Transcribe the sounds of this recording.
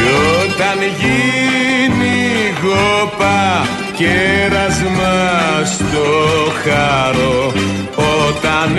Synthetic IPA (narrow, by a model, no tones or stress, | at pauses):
ot̪ɐnʝi | niɣopɐ | ceɾɐzmɐst̪oxɐɾo | ot̪ɐn